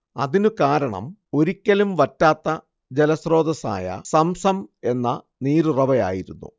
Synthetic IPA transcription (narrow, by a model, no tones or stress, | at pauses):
ɐ̰ðinɨkaːɾɐɳɐ̰mo̞ɾikʲːɐlumʋɐtːaːt̪ːɐ | d͡ʑelɐsro̞ːd̪ɐsa̰ːjɐ̰sɐmsɐme̞nːɐ | niːɾurɐʋɐja̰ːjiɾunːṵ